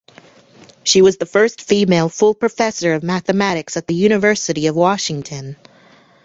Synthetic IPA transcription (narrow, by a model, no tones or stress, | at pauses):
ʃiwʌzðəfɜ˞stfimeɪlˠfʊlˠpɹ̥ɨfɛsə˞ʌvmæθɨmæɾɨksɨt̪̚ðɨjʉɾ̃ɨvɜ˞sɨɾiʌvwɑʃɪ̃ŋtʰɨ̃n